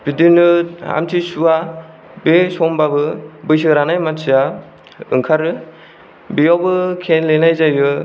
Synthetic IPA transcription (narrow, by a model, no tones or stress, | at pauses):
bidinɯa̰mtʰisua | besɔmbabɯbɯjsɯɾanajmasʰija | ɯ̰ŋkʰaɾɯ | bijawbɯkʰenlenajzajɯ